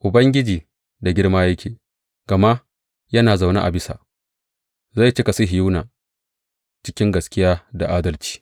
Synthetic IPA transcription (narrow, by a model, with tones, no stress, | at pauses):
ʔʊ˨bɐ˦ŋɡʲɪ˦d͡ʒiː˨ | da˨ɡʲɪ˦ɽmaː˦jɐ˦kʲʰeː˨ | ɡ̥ɐ˨ma˦ʔ | jɐ˦naː˨za˨wna̰˦ʔa̰˨bɪ˦sa̰˨ | za˦˨jt͡ʃɪ˦ka˨si˦ɦɪ˨ju˦naː˨ | t͡ʃɪ˦kʲɪ˦ŋɡɐ˨skʲɪ˦jaː˦da˨ʔaː˦dɐ˦lt͡ʃi̥ː˦